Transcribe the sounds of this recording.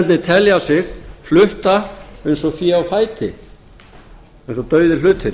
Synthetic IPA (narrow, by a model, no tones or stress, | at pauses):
t̪nɪt̪ʰɛljawsɪxflʏht̪aejnsɔfjɛawfaːjt̪ɪ | ejnsɔt̪œːɥðɪlʏːt̪ɪɾ